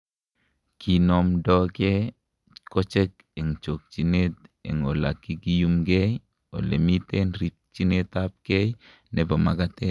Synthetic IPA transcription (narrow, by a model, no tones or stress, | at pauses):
kʰinomdɔke | kot͡ʃek | eŋt͡ʃok̚t͡ʃinet̪̚ḛŋolakikijumɡej | o̰lemitenrip̚t͡ʃinet̪ap̚kej | nepama̰kat̪e